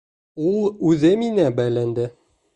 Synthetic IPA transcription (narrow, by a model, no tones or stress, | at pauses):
ulˠʉðɘminæbælænd̪ɘ